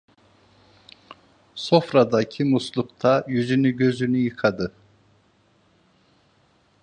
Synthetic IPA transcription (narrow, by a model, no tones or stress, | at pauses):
so̞fɾad̪ɑcʰimuslˠuqt̪ʰɑjyzynyɟø̞zynyjɯqʰɑd̪ɯ